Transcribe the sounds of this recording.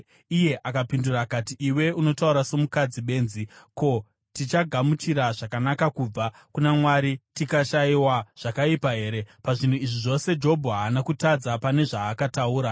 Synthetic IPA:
ije̞ʔakapindurakatiʔiwe̞uno̞tauɾaso̞mukad͡ziɓe̞ːnziko̞ | tit͡ʃaɡʱamut͡ʃiɾaʐakanakakuːb͡va | kunamwaɾitikaʃaiwaʐ̥akaipaɦe̞ːɾe̞paʐin̤uiʐiʐo̞se̞d͡ʒo̞bʱɦaːnakutad͡zapane̞ʐaːkatauːɾa

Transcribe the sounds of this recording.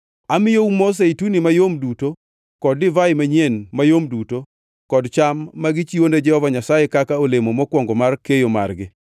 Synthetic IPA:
amɪjoumos̬eitunimajomduto | kɔdɪvaɪmaɲenmajomduto | kɔdt͡ʃamːaɡɪt͡ʃionded͡ʒɛhɔvaɲasajekakaolemomɔkwɔŋɡɔmarkejoma̰rɡɪ

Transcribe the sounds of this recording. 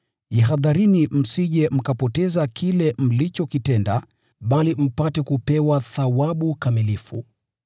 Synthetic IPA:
jiɦaðaɾinim̩siʄɛm̩kapɔtɛzakʰilɛm̩lit͡ʃɔkitɛnda | ɓalim̩patɛkupɛwaθawaɓukamilifṵ

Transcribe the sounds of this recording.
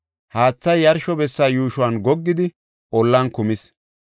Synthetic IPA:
haːt͡sːɐjːɐɾʃɔbɛsːaːjuːʃʊwɐnɡɔɡːɪd̪ɪ | ʔɔlːɐnkʊmɪs

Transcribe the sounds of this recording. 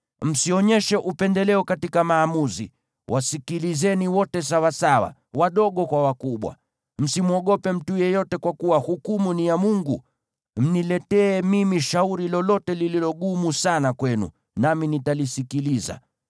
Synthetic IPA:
m̩siɔɲɛʃɛʔupɛndɛlɛɔkatikamaːmuzḭ | wʔasikilizɛniwɔtɛs̬awasawa̰ | waɗɔɠɔkwawakuɓwa̰ | m̩simuɔɠɔpɛm̩tujɛjɔtɛkwakuwahukumunijamuŋɡu | m̩nilɛtɛːmimiʃauɾilɔlɔtɛlililɔɠumusanakwɛnṵ | naminitalisikiliza̰

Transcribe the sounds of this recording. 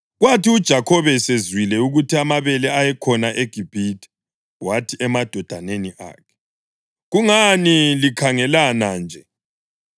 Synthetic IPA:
ɣwatiud̥ʒ̥ʱakʰɔβɛsezwilɛuɣutʰiamaβɛlɛajɛkʰɔnaʔeɡ̥ʱib̥ʱitʰʼɛ̥ | watʰiʔɛmad̥ʱɔd̥ʱaneniʔa̰ːkʰɛ̥ | ɣuŋanilikʰaŋɛlanand͡ʒʱɛ

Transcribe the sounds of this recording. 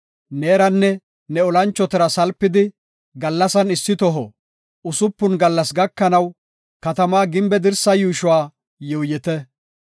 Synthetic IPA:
neːɾɐnːɛ | nɛɔlɐnt͡ʃːɔt̪ɛɾɐsɐlpːɪd̪ɪ | ɡɐlːɐsɐnɪsːɪt̪ɔɦɔ | ʊsʊpːʊnɡɐlːɐsɡɐkːɐnɐw | kɐt̪ɐmaːɡɪmbɛd̪ɪɾsɐjuːʃʊwaː | jɔwjɛt̪ɛ

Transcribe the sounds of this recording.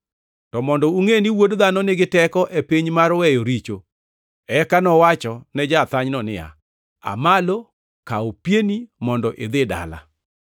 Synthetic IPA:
tɔmɔndɔuŋeniwodðanɔnɪɡɪtɛkɔʔepiɲmaɾwɛjoɾit͡ʃo | ɛkanɔwat͡ʃɔnɛd͡ʒat̪aɲnɔnɪ̰ja̰ | a̰malo | kaopjenimɔndɔʔed̪ɪda̰la̰

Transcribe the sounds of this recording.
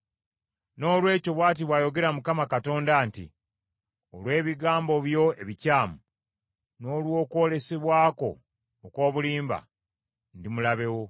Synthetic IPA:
no̞ːlwe̞ːco̞βwaːt̬iβwaːjo̞ɡe̞ɾamukamakato̞ːndaːntḭ | o̞lwe̞ːβiɡaːmbo̞βjo̞e̞βicaːmu | no̞ːlwo̞ːko̞ːle̞seβwaːko̞̰ː | ko̞ːβuliːmba̰ | ndimulaβe̞wo̞

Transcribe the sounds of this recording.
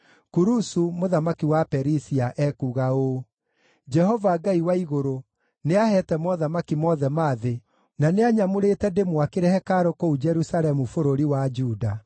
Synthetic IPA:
kuɾusumoðamakiwapɛɾisiaʔɛkuɣaoː | d͡ʒɛhɔvaɡaiwaiɣoɾo | neahɛtɛmɔðamakimɔðɛmaːðe | naneaɲamoɾetɛdemwakeɾɛhɛkaɾokoud͡ʒɛɾusalɛmufoɾoɾiwad͡ʒuːda

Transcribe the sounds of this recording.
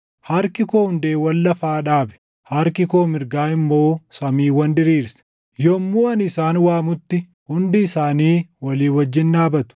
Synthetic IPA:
hɐɾkɪkoːhʊnd̪eːwɐlːɐfaːᶑaːbɛ̥ | hɐɾkɪko̞ːmɪɾɡaːɪmːo̞ːsɐmiːwɐnd̪ɪɾiːɾsɐ̥ | jɔmːuːɐnɪsaːnwaːmʊt̪ːɪ | hʊnd̪ɪːsaːniːwɐliːwɐd͡ʒːɪnᶑaːbɐt̪ʊ̥

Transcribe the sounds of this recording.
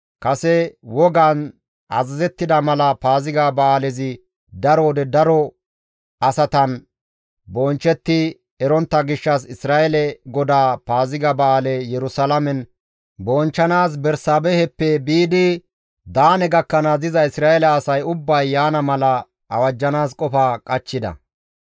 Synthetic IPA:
kɐsɛwɔɡaːn | ɐ̰zɐzɛt̪ːɪd̪ɐmɐlɐpaːzɪɡaːbɐːlɛzɪ | d̪ɐɾɔːd̪ɛd̪ɐɾɔ | ɐsɐt̪ɐn | bɔːnt͡ʃːɛt̪ːɪ | ɛɾɔnt̪ːɐɡɪʃːɐsɪsɾaːʔɛlɛɡɔd̪aːpaːzɪɡabɐːlɛjɛɾʊsɐlɐmɛn | bɔːnt͡ʃːɐnaːs̬bɛɾsaːbɛhɛpːɛbiːd̪ɪ | d̪aːnɛɡɐkːɐnɐzɪzɐɪsɾaːɛlɛːsɐjʊbːɐjːaːnɐmɐlɐ | ɐ̰wɐd͡ʒːɐnaːskʼɔfaːkʼɐt͡ʃːɪd̪ɐ̰

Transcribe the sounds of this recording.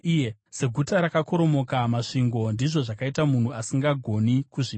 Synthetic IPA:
jese̞ɡʱutaɾakako̞ɾo̞mo̞kamaʂiŋɡo̞ndiʐo̞ʐakaitamun̤uasiŋɡaɡʱo̞nikuʐi

